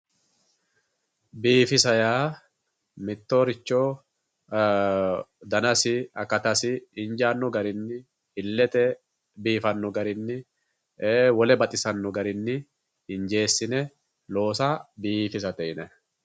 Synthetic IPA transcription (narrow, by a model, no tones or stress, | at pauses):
biːfɪsɐjaː | mɪt̪ːo̞ːɾɪt͡ʃːo̞ː | d̪ɐnɐsɪɐkːɐt̪ɐsɪɪnd͡ʒaːnːɔɡɐɾɪnːɪ | hɪlːɛt̪ɛ | biːfɐnːɔɡɐɾɪnːɪː | wɔlɛbɐt̪ʼɪsɐnːɔɡɐɾɪnːɪ | hɪnd͡ʒe̞ːsːɪnɛ | lo̞ːsaːbiːfɪs̬ɐt̪ɛʔɪnɛ